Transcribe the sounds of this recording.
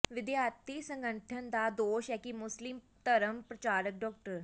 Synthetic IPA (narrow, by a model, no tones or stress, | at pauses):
ʋɪd̪jaːɾt̪iːsə̃ŋɡəʈʰənd̪aːd̪oːʃɛːkimʊslɪm | t̪əɾəmpɾət͡ʃaːɾək̚ɖɔːk̚ʈəɾ